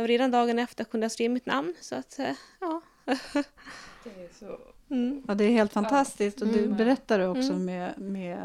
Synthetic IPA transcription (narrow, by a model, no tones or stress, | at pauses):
aɾeːd̪and̪ɑːɡənɛft̪əɾkʰɵnd̪əaseːmɪt̪na̰mnsɔat̪ɑː | ɑːd̪ɛːɾɦeːlt̪fant̪ʰast̪ɪsk̚t̪ɔd̪ɵbɛɾɛt̪ːaɾɵɔksɔmɛmeɛ